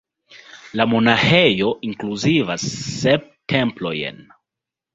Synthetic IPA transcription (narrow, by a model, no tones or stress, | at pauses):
lamo̞nahejo̞ʔiŋkluzivasːep̚tʰe̞mplo̞j̰n